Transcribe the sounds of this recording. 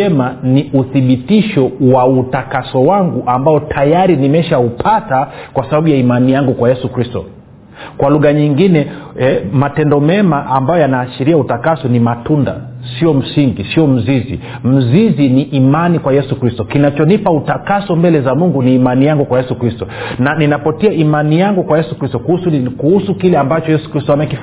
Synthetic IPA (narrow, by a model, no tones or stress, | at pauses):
ɛmaniʔuθiɓitiʃɔwautakasɔwaŋɡuʔambaɔtʰajaɾinimɛʃaupʰatakwasaɓaɓujaimanijaŋɡukwajɛsukɾistɔ̰ | kwaluɣaɲiŋɡinɛɛmatɛndɔmɛmaʔambajɔjanaːʃiɾiautakasɔnimatunda̰ | siɔm̩siŋɡisiɔm̩zizḭm̩ziziniʔːmanikwajɛsukɾistɔkinat͡ʃɔnipautakasɔmbɛlɛzamuŋɡuniːmanijaŋɡukwajɛsukɾistɔnaninapɔtiaimanijaŋɡukwajɛsukɾistɔkuuskuhusukilɛambat͡ʃɔjɛsu̥kɾistɔamɛkif